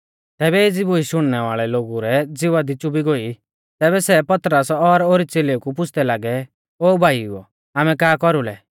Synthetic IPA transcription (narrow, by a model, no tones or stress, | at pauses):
t̪ɛːbɛed͡ziboiʃʊɽ̃nɛʋaːɭɛloːɡuɾɛd͡zɪʋad̪ɪt͡ʃubʱiɡoi | t̪ɛːβɛsɛpɐt̪ɾəsɔɾoːɾit͡seːleukup̬ʊt͡ʃʰd̪ɛlaːɡɛ | oːbʱaːiuɔ̰ | aːmɛ̃kaːkɔɾulɛ̰